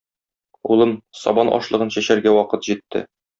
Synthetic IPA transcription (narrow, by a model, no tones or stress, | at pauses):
ulˠɤmsɒ̰bɑnʔɒ̰ʃlˠɤ̆ʁɤnɕæɕæɾɡæwɒqɤt̪ʑit̪ːɘ̰